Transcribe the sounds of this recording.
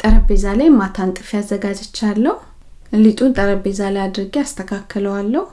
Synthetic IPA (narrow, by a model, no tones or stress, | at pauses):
t̪ʼəɾəbezalajmat̪ʰant̪ʼɨfijazːəɡad͡ʒɪt͡ʃːalːəhu | lit̪ʼunt̪ʼəɾəbezalajad̪ɾɨɡiast̪ʰəkʰakʰːələwalːəhu